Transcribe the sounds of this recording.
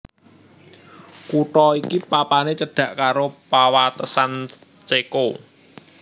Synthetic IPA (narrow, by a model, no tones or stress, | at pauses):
kuʈɔikipapanet͡ʃəɖ̥ä̤ʔkaɾopawat̪əsan | t͡ʃeko